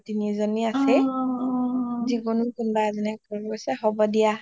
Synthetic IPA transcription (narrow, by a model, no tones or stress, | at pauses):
tinizɔniasɛ | ziɡɔnʊkunbazinɛkɔkɔsɛɦɔbɔdija